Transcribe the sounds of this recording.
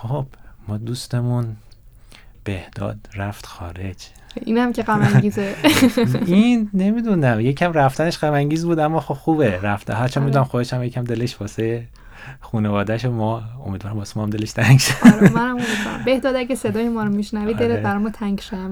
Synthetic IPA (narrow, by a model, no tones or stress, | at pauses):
xob̥mɒːd̪ust̪e̞mun | b̥e̞hd̪̥ɒ̰ːd̪ræft̪xɒːɾe̞d͡ʒ | ʔiːnæmceɡæmæŋɡiːze | inːe̞mid̪uːnæmjecʰæmræft̪æne̞ʃɡæmæŋɟiːzbuːd̪æmːɒːxobxuːbeɾæft̪hæɾt͡ʃʰæːmid̪unæmxod̪eʃæmjecʰæmd̪e̞leʃbɒːseje | xuːnevɒːd̪æʃomɒːo̰mid̪vɒːɾæmbɒːsemɔːhæmd̪eleʃt̪ʰæŋɡʃɾmænæmomid̪vɒɾ̰mbehd̪ɒːd̪æɡesed̪ɒːjemɒːɾomiʃnævid̪d̪elebæɾɔjmɒt̪ʰæŋɡʃod̪æm